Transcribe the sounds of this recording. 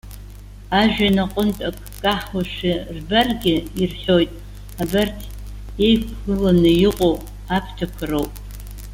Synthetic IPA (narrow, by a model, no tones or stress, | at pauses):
aʒᶣanaqʷʼʊntʼakʼkʼaħwaʂɪrbarɡʲɪirħʲo̞jtʼ | abartʰ | e̞jkʷʰɨlanɨjɪqʼow | apʰtʰakʷʰarowpʼ